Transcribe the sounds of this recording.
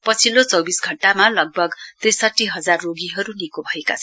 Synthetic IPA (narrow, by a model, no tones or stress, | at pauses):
pʌt͡sʰilot͡sʌwbisɡʱʌɳʈamalʌɡ̚bʱʌɡt̪rijsʌʈːiɦʌd͡zarːoɡiɦʌɾunikobʱʌeka̰t͡sʰʌn